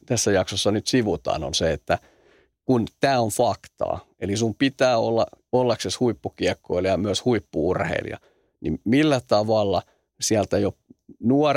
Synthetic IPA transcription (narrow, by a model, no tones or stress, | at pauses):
t̪æsːæjɑksosːɑnyt̪siʋut̪ɑ̰ːno̰nseet̪ːæ | kunt̪æːonfɑkt̪ɑ̰ː | elisumpit̪æːolːɑolːɑkseshuipːukiekːoiljɑmyøshuipːuurhḛilḭɑ̰ | nimilːæt̪ɑʋɑlːɑ | siælt̪æjonuɔr